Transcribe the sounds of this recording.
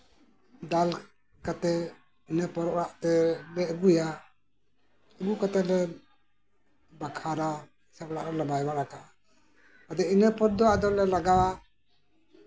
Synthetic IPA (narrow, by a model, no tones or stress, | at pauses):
d̪al | kat̪ɛ | inəpɔɾɔʔɔɾaʔt̪ɛlɛʔɡuja | ɛɡukat̪ɛlɛ | bakʰaɾa | sɛpɔɽaʔɾɔlɔbajwaɾakaʔa | ad̪ɛinəpɔɾ̚d̪ɔwaʔd̪ɔlɛlaɡawa